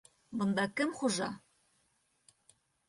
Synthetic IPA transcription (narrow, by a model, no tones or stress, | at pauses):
bɤ̆nd̪ɑkɘmχuʒɑ